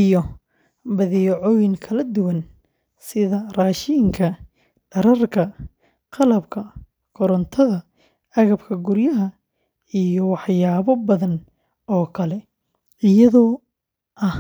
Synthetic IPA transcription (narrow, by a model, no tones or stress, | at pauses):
ijɔ | bɐðɛjʕɔːjɪŋkʰɐlɐd̪ʊwɐn | sɪðɐraːʃɪŋkʰɐ | ɖ̥ɐɾɐrkʰɐ | qɑlɐbkʰɐ | kʰɔɾɐnt̪ʰɐðɐ | ɐɣɐbkʰɐɡʊrjɐɦɐ | ijɔwɑħjaːβɔbɐðɐn | ɔːkʰɐlɛ | ɪjɐðɔː | ʔɐ